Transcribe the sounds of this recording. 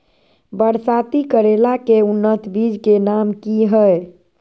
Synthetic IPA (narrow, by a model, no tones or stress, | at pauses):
bəɽsat̪ikəɾelakeunːət̪ʰbid͡ʒkenamkiɦəe